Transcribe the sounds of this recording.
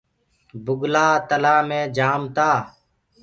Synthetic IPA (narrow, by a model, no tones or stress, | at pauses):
bʊɡlaːt̪əlaːmẽːd͡ʒaːmt̪aː